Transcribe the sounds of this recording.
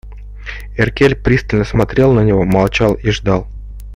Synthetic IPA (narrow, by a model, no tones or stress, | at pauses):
ɪrkʲelʲpɾʲist̪əlʲnəsmɐt̪ɾʲe̞lˠnənʲɪvo̞mɐlˠt͡ɕalˠiʐd̪ɑlˠ